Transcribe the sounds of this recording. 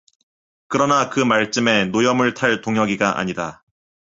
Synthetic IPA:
kɯɾʌnakɯmaɭt͡ɕ͈ɯme̞nojʌmɯɭtʰaɭtoŋɦjʌɡiɡaʔa̰ɲida

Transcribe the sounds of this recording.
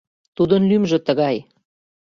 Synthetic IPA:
t̪ud̪ə̆nlymʒə̆t̪ə̆ɣɑj

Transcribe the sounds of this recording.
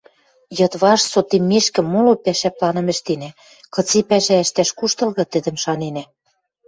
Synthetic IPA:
jɤ̆t̪βɑʃsot̪emːeʃkɘ̆mːolopæʃæplɑnɤ̆mɘ̆ʃt̪enæ | kɤ̆t͡sepæʃæɘʃt̪æʃkuʃt̪ɤ̆lɣɤ̆t̪ɘ̆d̪ɘ̆mʃɑnenæ

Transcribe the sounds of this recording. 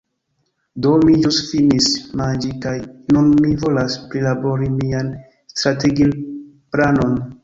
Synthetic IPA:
domid͡ʒustfinismand͡ʒikajnunmivo̞laspɾilabo̞ɾimian | stɾateɡil | plano̞n

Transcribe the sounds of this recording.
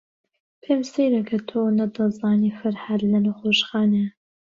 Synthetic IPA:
pʰemsejɾɐkʰɐt̪ʰoːnɐd̪ɐzɑːnifɐɾhad̪lɐnɐxoːʃxɑːne

